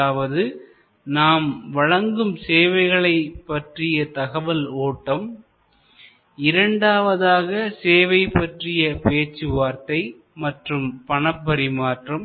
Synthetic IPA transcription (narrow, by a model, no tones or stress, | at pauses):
aːʋɐðɯ | naːmʋɐɻɐŋɡɯmseːʋɐɪɣɐɭɐɪpːɐʈrɪjɐt̪ɐɣɐʋɐloːʈːɐm | ɪɾɐɳɖaːʋɐðaːɣɐseːʋɐɪpːɐʈrɪjɐpeːt͡ʃːɯʋaːɾt̪ɐɪ | mɐʈrɯmpɐnɐpːɐɾɪmaːʈrɐm